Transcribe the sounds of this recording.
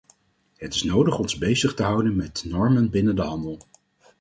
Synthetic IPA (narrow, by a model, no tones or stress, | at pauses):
ɦətɪsnowdəχɔnzbejzəχtəɦʌwdənmɛtnɔɹmənbɪnəndəɦɑndəlˠ